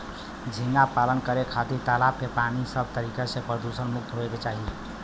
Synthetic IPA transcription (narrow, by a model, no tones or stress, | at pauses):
d͡ʒʱinapalənkəɾekʰat̪iɾt̪alapkepanisəbʱt̪əɾikasẽpɾəd̪usənmuk̚t̪ɦoeket͡ʃaɦi